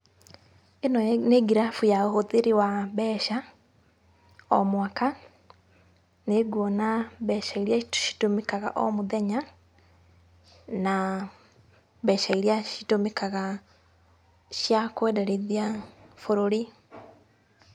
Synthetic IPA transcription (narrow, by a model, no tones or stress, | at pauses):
enɔneɡiɾafujaohoðeɾiwaβɛʃa | ɔmwaka | neɡwɔnaβɛʃaiɾiaʃi̥tomekaɣa̰ʔɔ̰moðɛɲa | na | βɛʃaiɾiaʃitomekaɣa | ʃjakwɛdɛɾeðiafoɾoɾi